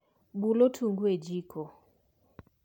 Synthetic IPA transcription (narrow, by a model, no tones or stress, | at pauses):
bulotʰuŋɡwed͡ʒikʰɔ